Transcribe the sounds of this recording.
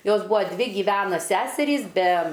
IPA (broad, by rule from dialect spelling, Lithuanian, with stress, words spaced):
ˈjoːs ˈbʊɐ ˈdʲʋʲɪ ɡʲɪˈʋʲæːnɐ ˈsʲæːsʲɛrʲiːs bʲɛ